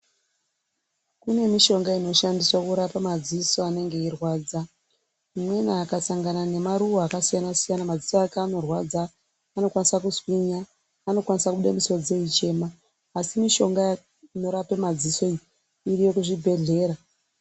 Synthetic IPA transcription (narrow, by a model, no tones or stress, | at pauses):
kune̞miʃo̞ŋɡaino̞ʃandiswakuɾapamad͡ziso̞ane̞ŋɡe̞irwaːd͡za | mwe̞naːkasaŋɡanane̞maɾuoakasijanasijanamad͡zisoakeano̞rwad͡zaː | no̞kwanisakuswiɲaː | no̞kwanisakuɓuɗamiso̞d͡ze̞it͡ʃe̞ːmaː | simiʃo̞ŋɡa | ino̞ɾapemad͡ziso̞i | irijo̞kuʐibʱe̞ɮe̞ːɾa